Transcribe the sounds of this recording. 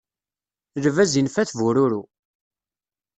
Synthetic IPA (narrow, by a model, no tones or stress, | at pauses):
lvæzinfæθvuɾuɾu